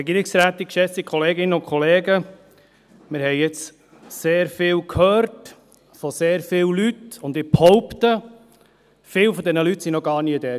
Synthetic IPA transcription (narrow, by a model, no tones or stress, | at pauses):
ɾɛɡiːɾɪksɾæːt̪ɪkʃɛsikχɔleːɡɪnːəʊnkʰχɔleːɡə | mɪɾhɛɪɛt͡s | seːɾfɪːlkhøːɾt | fɔseːɾfɪːwlytʊnd̪ɪphɔʊptə | fɪːlfɔd̪ɛnəlytsinɔɡɑːɾniːəd̥̪ɛː